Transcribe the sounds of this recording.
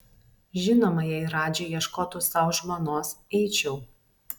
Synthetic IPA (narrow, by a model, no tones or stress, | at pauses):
ʒʲɪnoːmɐjɛɪɾɑːd͡ʒʲɛjiɛʃkoːt̪uːsɐʊʒmonoːsɛɪt͡ʃʲɛʊ